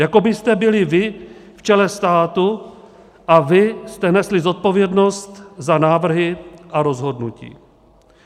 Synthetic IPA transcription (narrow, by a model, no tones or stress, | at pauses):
jako̞bɪst̪ɛbɪlɪvɪft͡ʃɛlɛst̪aːt̪u | ʔavɪst̪ɛnɛslɪzo̞t̪̚po̞vjɛdno̞st̪zanaːvr̩ɦɪʔaɾo̞zɦo̞dnucḭː